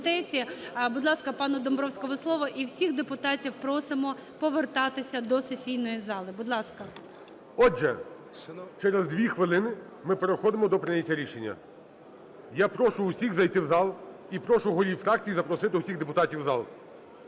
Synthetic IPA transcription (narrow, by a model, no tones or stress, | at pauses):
d̪ɛt͡sʲibʊd̪lˠɑskɐpɑnʊd̪ɔmbɾɔwsʲkɔɦɔslˠɔʋɔʔiwsʲiɣd̪epʊt̪ɑtʲiwpɾɔsɪmɔpɔʋert̪ɑt̪ɪsʲɐd̪ɔsesʲijnɔjizɑlˠɪbʊd̪lˠɑskɐ | ɔɛ | t͡ʃɛɾezd̪ʋʲixʋɪlˠɪnɪ | mɪpeɾexɔd̪ɪmɔd̪ɔpɾɪnʲɐtʲːɐɾʲiʃenʲːɐ̰ | japɾɔʃʊːsʲiɣzɐjt̪ɪwzɑlˠ | ipɾɔʃʊɦɔɾʲiwfɾɑk̚t͡sʲijizɐpɾɔsɪt̪ɪʊsʲiɣd̪epʊt̪ɑtʲiwzɑlˠ